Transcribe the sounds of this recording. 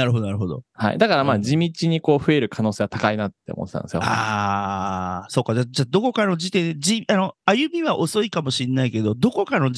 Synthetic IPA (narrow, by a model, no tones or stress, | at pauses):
naɾɯ̟ɦo̞d̪oaɾɯ̟ɦod̪o̞̰ha̰ḭd̪akaɾamaːd͡ʑimʲit͡ɕiɲ̟iko̞ːɸɯ̟e̞ɾɯ̟kʰano̞ːse̞ːβat̪akainat̪ːe̞omot̪ːetã̰nesɨjoa | so̞ːkad͡ʑaːd͡ʑaːd̪o̞ko̞kano̞d͡ʑit̪e̞ed͡ʑiano̞ajɯ̟mʲiβaʔo̞so̞ikamo̞ɕinːaike̞d̪o̞d̪o̞ko̞kano̞